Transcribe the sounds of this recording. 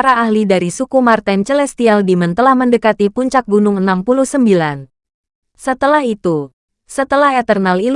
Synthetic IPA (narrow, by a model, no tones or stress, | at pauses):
aɾaːhlidaɾisukumart̪ɛnt͡ʃəlɛst̪ialdimənt̪əlahməndəkat̪ipuɲt͡ʃak̚ɡunʊŋənampuluhsəmbilan | sət̪əlaɦit̪u | sət̪əlaɦɛt̪ərnalil